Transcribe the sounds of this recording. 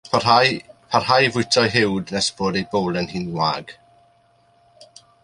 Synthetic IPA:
pʰaajpʰarhajvʊɨtʰajɦɪwdnɛsb̥oːdejbowlˠənhiːnwaːɡ̥

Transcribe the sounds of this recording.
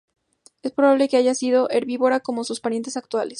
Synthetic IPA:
e̞spɾo̞βaβle̞ke̞aʝasiðo̞ʔeɾβiβo̞ɾako̞mo̞suspaɾje̞nt̪e̞sak̚t̪wales

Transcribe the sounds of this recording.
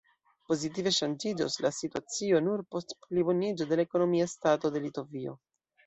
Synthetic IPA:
po̞zit̬ive̞ʃand͡ʒid͡ʒo̰slasituat͡sio̞nuɾpo̞stplibo̞nid͡ʒode̞laeko̞no̞miastato̞de̞lito̞vio̞̰

